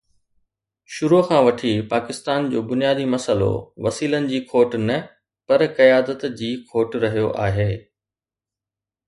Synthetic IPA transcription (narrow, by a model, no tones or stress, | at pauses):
ʃʊɾoxʰãːʋɐʈʰipaːkɪst̪aːnd͡ʑo̰ːbʊnijaːd̪imɐsəlo̰ʋɐsiːlənɪ̆d͡ʑiːkʰoːʈnɐ | pɐɾkɐjaːd̪ət̪d͡ʑiːkʰoːʈɾɐɦijoʔaːɦeː